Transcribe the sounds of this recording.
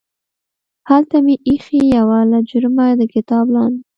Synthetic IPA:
halt̪ameʔixijawalad͡ʒʊɾmad̪əkɪt̪ɑblɑn

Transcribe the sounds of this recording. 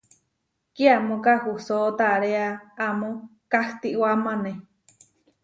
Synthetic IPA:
kiamõkahusoʔt̪aɾeaamokaht̪iʔwamane

